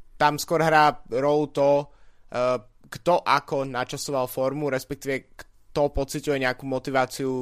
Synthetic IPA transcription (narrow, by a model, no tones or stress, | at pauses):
t̪amskʊɔɾɦɾaːɾɔlut̪ɔ | ɡ̥t̪ɔʔakɔnat͡ʃasɔʋalfɔɾmuɾɛspɛk̚t̪iːʋɛk | t̪ɔpɔt͡sicujɛɲɛakumɔt̪iʋaːt͡siu